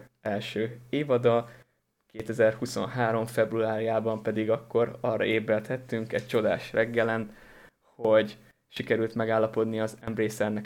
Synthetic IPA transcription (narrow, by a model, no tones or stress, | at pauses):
ɛlʃøːeːvɒd̪ɒ | keːt̪ɛzɛrhuso̞̰nɦaːɾo̞ɱfɛbruaːɾjaːbɒmpɛd̪iɡɒkːo̞ɾɒrːɒ̰eːbɛlt̪hɛt̪ːyŋkɛc̚t͡ʃo̞d̪a̰ːʃrɛɡːɛlɛn | ho̞ɟ | ʃikɛɾylt̪mɛɡaːlːɒpo̞d̪niɒzɛmbɾeːsɛrnɛk